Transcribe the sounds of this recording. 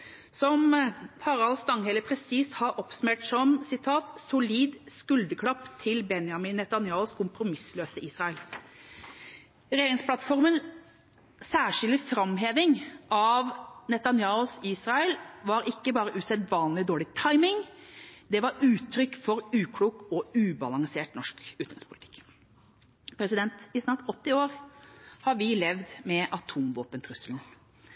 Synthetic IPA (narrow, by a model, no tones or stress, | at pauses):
sɔmfɑɾɑlst̪ɑŋhɛləpʰɾɛsiːshɑɾʔɔpsʉmeːʈsɔmsɪt̪ʰɑːt̪sʊliːd̪skʉld̪əkʰɽɑpːt̪ʰɪlbɛnjɑmɪnɛt̪ɑnjɑːʊskʰʊmpɾʊmɪsløːsəʔiːsʁɑɛl | ɾɛjeːɾɪŋspʰlɑt̪fɔɾmən | sæːʂɪld̪ɪfɾɑmɦeːʋɪŋʔɑʋnɛt̪ɑnjɑːʊsiːsʁɑəlʋɑɾɪkːəbɑːɾəʔʉsɛd̪ʋɑːnlɪd̪oːɭɪt̪ʰɑɪmɪŋd̪ɛʋɑɾʉːt̪ʰːɾʏkːfɔɾʉːkʰɽuːkɔʉːbɑlɑŋseːʈnɔʂkʉːt̪ɪ̰ŋspʰʊlɪt̪ʰɪ̥kː | pʰɾɛsɪd̪ɛnt̪ɪsnɑːʈɔt̪ːɪoːɾhɑɾʋɪlɛʋd̪mɛʔɑt̪ʰuːmʋoːpənt̪ʰɾʉsəln̩